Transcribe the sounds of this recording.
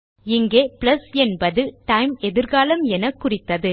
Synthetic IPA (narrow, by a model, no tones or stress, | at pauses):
ɪŋɡeːplɐsɛnbɐðɯʈɐɪmɛðɪɾɣaːlɐmɛnɐkːʊrɪt̪ːɐðɯ